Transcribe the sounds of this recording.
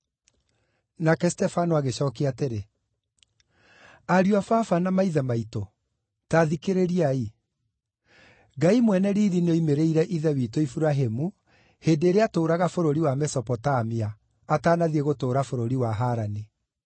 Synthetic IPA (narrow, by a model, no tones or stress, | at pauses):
nakɛstɛfanoaɣeɕɔːkeateɾe | aɾuafafanamaiðɛmaito | taːðikeɾeɾiai | ɡaimwɛnɛɾiːɾinoimeɾeiɾɛʔiðɛwitoifuɾaɦemu | heːndeːɾeatoːɾaɣafoɾoɾiwamɛsɔpɔtamiaː | taːnaðieɣotoːɾafoɾoɾiwaɦaɾani